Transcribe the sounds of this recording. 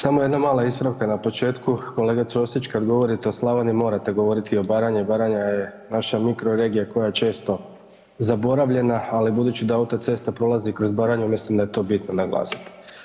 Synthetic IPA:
samojed̪namaːlˠaispɾaʋkanapo̞t͡ʃe̞ːt̪kuko̞le̞ɡaɾo̞sit͡ʃkad̪ɡo̞ʋo̞ɾit̪eoslˠaʋanimo̞ɾat̪e̞ɡo̞ʋo̞ɾit̪io̞baːɾaɲibaɾaɲaje̞naʃamikɾo̞ɾe̞ːɡijako̞jajet͡ʃe̞ːst̪o̞ | zabo̞ɾaʋʎe̞naːlibud̪uːt͡ɕid̪aaut̪at̪se̞st̪apɾo̞lˠazikɾo̞zbaːɾaɲeumjeslimd̪ajet̪o̞ːbit̪nonaɡlˠa̰ːsi̥t̪i̥

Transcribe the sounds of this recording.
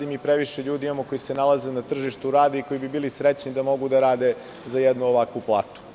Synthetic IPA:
d̪imipɾeʋiʃeʎuːd̪imamoko̞jisenalazenat̪r̩ʒiʃt̪uɾaːd̪eiko̞jibibiːlisɾet͡ɕnid̪amo̞ɡud̪aɾaːd̪e̞ | zajɛd̪nuoʋakʋuplˠa̰ːt̪u̥

